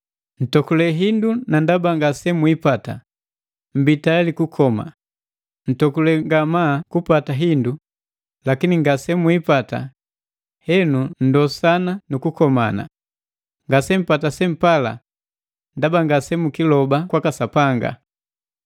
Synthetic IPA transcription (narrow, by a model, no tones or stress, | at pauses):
n̩tɔkulɛɦindunandabaŋɡasɛmwipata̰ | m̩bitalikukʰɔma̰ | n̩tɔkulɛŋɡamaːkupataɦindu | lakiniŋɡasɛmwipata̰ | hɛnun̩dɔsananukukɔmana̰ | ŋɡasɛm̩patasɛm̩pala̰ | ndabaŋɡasɛmukilɔbakwakasapaŋɡa̰